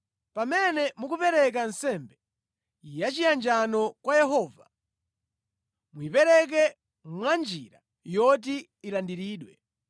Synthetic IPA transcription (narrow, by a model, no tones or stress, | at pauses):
pamɛnɛmuk̬upɛɾɛk̬ansɛmbɛ | jat͡ʃijand͡ʒanɔkwajɛɦɔːva | muipɛɾɛk̬ɛ | mwand͡ʒiɾa | jɔt̬i | ilandiɾiːɗwɛ